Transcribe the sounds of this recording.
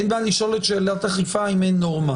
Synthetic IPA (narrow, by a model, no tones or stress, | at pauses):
enbaliʃo̞let̪ʃeːlat̪aχifaimenːoʁma